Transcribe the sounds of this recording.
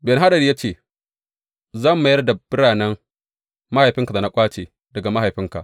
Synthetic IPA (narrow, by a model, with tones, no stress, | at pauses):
bɛ˨nɦa˦ɗɐ˨ɾi˦ja˦t͡ʃeː˦˨ | zɐ˦˨mːa˨jɐ˦rda˨b̥ɪ˦ɽaː˨nɐ˦ŋ | ma˦ha˨jɸɪ˦ŋka˨da˨na˦kʷʼaː˦t͡ʃeː˨ | dɐ˨ɡa˨ma˦ɦa˨jɸɪ˦ŋka̰˨ʔ